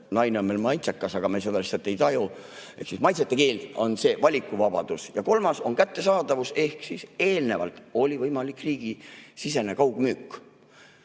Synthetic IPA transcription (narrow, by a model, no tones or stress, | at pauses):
nɑjneonmejlmɑjt̪sekːɑsɑɡ̥ɑmejsed̪ɑlisɑt̪ːˑe̞jt̪ɑju | e̞hksismɑjt̪set̪ːˑe̞ke̞ːlo̞nse̞ːvɑlʲikˑːuvɑb̥ɑ̰d̪̥usjɑko̞lmɑso̞nkæt̪ːe̞sɑːd̪̥ɑvuse̞hksise̞ːlne̞vɑ̰lt̪o̞lʲivɤjmɑlikriːɡ̥isise̞ne̞kɑwɡ̥myːkːˑ